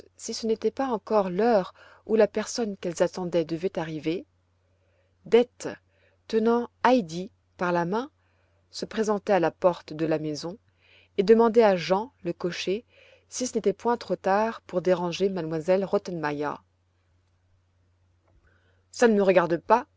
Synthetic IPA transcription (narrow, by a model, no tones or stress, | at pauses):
sisənet̪ɛpaɑ̃kɔʁlœʁ | ulapɛʁsɔnkɛlzat̪ɑ̃d̪ɛd̪əvɛt̪aʁive | d̪ɛt̪ | t̪ənɑ̃ajd̪i | paʁlamɛ̃ | səpχezɑ̃t̪ɛalapɔʁt̪d̪əlamezɔ̃ | ed̪əmɑ̃d̪ɛaʒɑ̃ləkɔʃe | sisənet̪ɛpwɛ̃t̪χot̪aʁpuʁd̪eʁɑ̃ʒemad̪mwazɛlʁot̪ɛnmaja̰ | sanəməʁəɡaʁd̪əpa